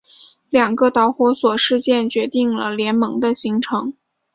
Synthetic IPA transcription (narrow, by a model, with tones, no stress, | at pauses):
ljɑ˨˩ŋɡə˧t̪ɑ˧˥ʊxwɔ˧˥swɔ˨˩ʂɻ̩˥˧t͡ɕjɛ˥˩nt͡ɕɥɛ˧˥t̪i˥˩ŋlə˩ljɛ˧˥nmɤ˧˥ŋd̪ə˧ɕi˧˥ŋʈ͡ʂʰɤ˧˥ŋ